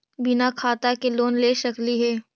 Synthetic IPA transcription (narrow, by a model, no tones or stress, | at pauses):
bɪnakʰaːt̪akeloːnleːʃɐkliɦɛː